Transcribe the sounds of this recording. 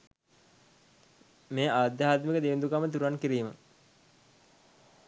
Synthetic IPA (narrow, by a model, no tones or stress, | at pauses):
meːaːd̪jaɦaːt̪mikəd̪eʋind̪ukamət̪uɾankiɾiːmə